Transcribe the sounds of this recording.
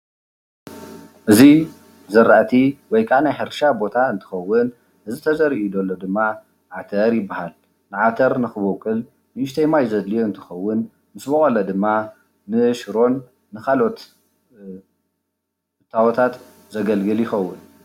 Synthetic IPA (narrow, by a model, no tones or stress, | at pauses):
ʔɨzi | zɐɾaʔt̪ʰiwɔjkʼanajħɨɾʃabo̞t̪ʰaɨnt̪ʰɨ̥xɐwːʊn | ʔɨzit̪ʰɐzɐɾiʔud̪olːod̪ɨmːa | ʕat̪ʰɐɾjɪbːahal | nɨʕat̪ʰɐɾnɨxɨβowkʼɨl | nɨʔɨʃt̪ʰɐjmajzɐd̪lijoɨnt̪ʰɨ̥xɐwːʊn | mɨsbɐkʼolːɐd̪ɨmːa | nɨʃɨɾo̞nː | ɨkʰalo̞t̪ | ɨt̪ʰːawɔt̪ʰat̪ | zɐɡɐlɡɨljɪxɐwːʊn